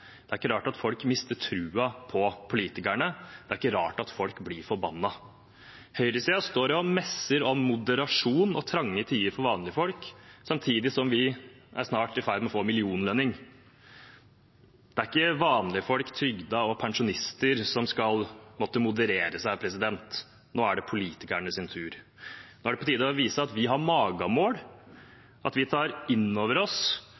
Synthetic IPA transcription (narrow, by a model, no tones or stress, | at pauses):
d̪̥ɛæɾɪkːəɾɑːʈɑt̪fɔlkmɪst̪əʈʰɾʉːɑpʰɔpʰʊliːt̪ɪkæɳəd̪̥ɛæɾɪkːəɾɑːʈɑt̪fɔlkblɪɾfɔɾbɑnːɑ | hœʏɾəsiːɑst̪oːɾɔmɛsəɾɔmːʊd̪əɾɑʂuːnɔt̪ʰɾɑŋːət̪ʰiːəɾfɔɾʋɑːnlɪəfɔlksɑmt̪ʰiːd̪ɪsɔmʋɪ | ʔæ̰ɾʂnɑːʈɪfæɪd̪mɛɔfoːmɪlɪuːnlœnɪŋ | d̪̥ɛæɾɪkːəʋɑːnlɪəfɔlkt̪ʰɾʏɡd̪ɑɔpʰɛŋʂʊnɪst̪əɾsɔmskɑlmɔt̪ːəmʊd̪əɾeːɾəsæɪpʰɾɛsɪd̪ɛnt̪ | noːæɖɛpʰʊliːt̪ɪkæɳəsɪnt̪ʰʉːɾ | noːæɖɛpʰɔt̪ʰiːd̪əɔʋiːsəɑt̪ʋɪɦɑɾmɑːɡɑmoːɽ | ʔɑ̰t̪ʋɪt̪ʰɑːɾɪnːoːʋəɾɔs